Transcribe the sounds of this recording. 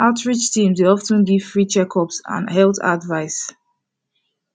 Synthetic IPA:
aʊtʰɹit͡ʃtʰĩmweɔftə̃nɡiv̥fɹit͡ʃɛkʰɔpsã̰nhɛlta̰dvaɪs

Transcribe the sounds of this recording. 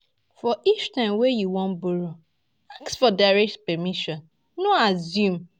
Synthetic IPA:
fɔʔit͡ʃtãmwejuwɔ̃nbuɹo | aksfɔdaɹɛk̚tpɛmiʃɔ̃n | noazjũm

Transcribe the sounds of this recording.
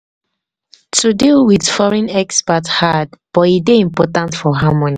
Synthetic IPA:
tudilwiðfɔɹɛ̃nɛkspathadb̥ɔideĩmpɔtãntfɔɦamɔ̃ni

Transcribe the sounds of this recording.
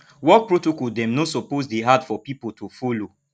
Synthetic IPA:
wɔk̚pɹotokɔldɛ̃mnosɔpozdeɦadfɔpipotʰofolo

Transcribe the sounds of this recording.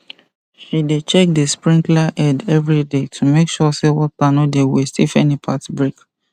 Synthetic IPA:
ʃidet͡ʃɛk̚dəspɹĩŋklaʔɛdɛvɹidetʰumekʃɔsewɔt̚panodewistifɛnipʰatbɹek

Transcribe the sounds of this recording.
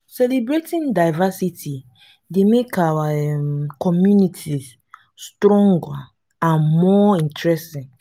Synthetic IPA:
sɛlibɹetĩndaɪvasitʰi | demekawaɛmkɔmjunitʰis | stɾɔ̃ŋɡa | ãnmɔĩntɹɛstĩn

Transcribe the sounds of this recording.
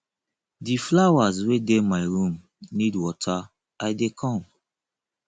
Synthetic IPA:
diflawazwedemaɪɹũm | nidwɔtʰa | aɪdekʰɔ̃m

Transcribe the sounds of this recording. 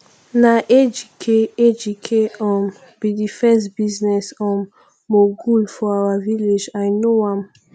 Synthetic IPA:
naʔed͡ʒikʰeed͡ʒikʰeɔm | bidifɛsbiznɛsɔ̃mː | oɡulfɔawavilid͡ʒajnoãm

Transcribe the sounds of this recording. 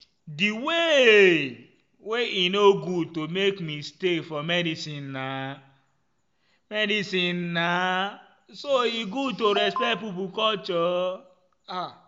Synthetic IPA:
diwe | weinoɡutomekmistefɔmɛdisĩnːa | mɛdisĩnːa | soiɡutoɾɛspɛt̚pipukɔlt͡ʃɔ | a

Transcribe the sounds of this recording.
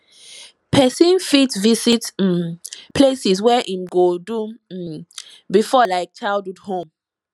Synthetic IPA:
pʰɛsĩnfitvisit̩ | pʰlesiswɛʔĩmɡodu | bifɔlaɪk̚t͡ʃʰaldudhõm

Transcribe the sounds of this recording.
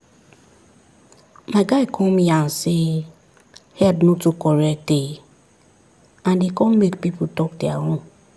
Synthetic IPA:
maɪɡaɪkʰɔ̃nmijãnse | hɛdnotukɔɹɛk̚de | ãndekɔ̃nmekpipotɔk̚deaɾɔ̃m

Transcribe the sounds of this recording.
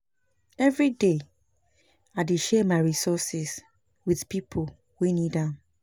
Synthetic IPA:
ɛvɹide | adeʃɛmaɪɹisɔsɪs | wiðpipʰo | winidã

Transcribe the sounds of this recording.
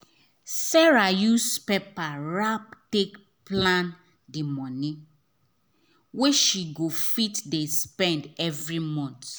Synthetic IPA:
sɛɹajuspɛpaɹap̚tek | plãn | dimɔnĩ | weʃiɡofitdespɛ̃ndɛvɹimɔ̃nt

